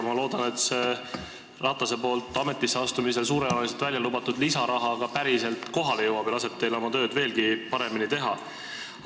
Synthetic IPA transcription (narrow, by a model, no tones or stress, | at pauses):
mɑlo̞ːd̪̥ɑne̞t̪se | rɑt̪ːˑɑse̞po̞ːlt̪ːˑɑme̞t̪ːˑisːeɑst̪umis̬e̞ls̬uːɾe̞ɑnɑlis̬et̪vælʲjɑlubɑt̪ːud̪̥lisɑɾɑɦɑɡɑpæɾise̞lt̪ko̞ɦɑle̞jɤwɑb̥jlɑse̞b̥̚t̪e̞jlo̞mɑt̪ø̞ːd̪ve̞ːlɡ̥ipɑɾe̞minit̪e̞ɦɑ